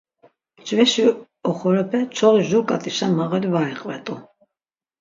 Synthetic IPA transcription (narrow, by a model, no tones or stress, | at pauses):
t͡ʃʰʼvɛʃi | ɔχɔɾɛpʰɛt͡ʃʰɔʁiʒuɾkʼat̪ʼiʃamaʁalivaɛqʼvɛt̪ʼu